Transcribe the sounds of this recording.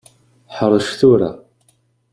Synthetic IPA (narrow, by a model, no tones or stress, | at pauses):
ħɾˤːəʃθuɾa̰